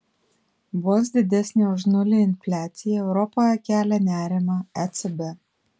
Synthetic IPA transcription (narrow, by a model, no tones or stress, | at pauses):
boːs̬d̪ʲɪd̪ʲæsʲnʲeʊʒnʊlʲɪɪnʲfʲlʲæːt̪sʲɪjɛɛʊɾɔpoːjɛkʲæːlʲɛnʲæːɾʲɪmɑɛt̪sɛbɛ